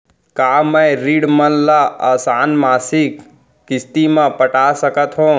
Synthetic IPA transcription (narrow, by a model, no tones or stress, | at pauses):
kaːməɾiːɽmənlaaːsaːnmaːsikː | ɪst̪imãpəʈaːsəkət̪ɦõː